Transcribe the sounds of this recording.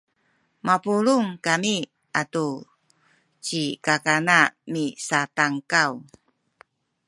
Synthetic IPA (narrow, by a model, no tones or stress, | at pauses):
mapuɾuŋkami | ʔatu | t͡ɕikakanamisataŋkaw